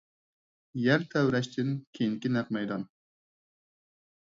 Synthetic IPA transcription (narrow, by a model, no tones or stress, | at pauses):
jɛɾt̪ʰɛwɾɛʃt̪ʰɪnkʲʰejiŋkʲinɛq̚mɛjd̪ɑn